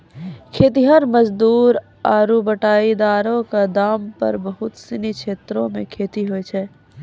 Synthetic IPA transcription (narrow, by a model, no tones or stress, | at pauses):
kʰeːt̪iɦəɾməd͡ʒd̪uːɾ | aːɾubəʈaːid̪aːɾõkad̪aːmpə̰ɾbəɦʊt̪sɪnikʰeːt̪ɾõmẽkʰeːt̪iɦoɛt͡ʃʰɛː